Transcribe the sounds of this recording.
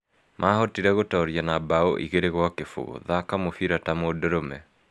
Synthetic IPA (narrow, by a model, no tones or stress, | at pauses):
mʔaɦɔtiɾɛɣotɔɾianabao̰ʔiɣeɾeɣwakefo̰ɣo̰ðakamofiɾatamodɔɾomɛ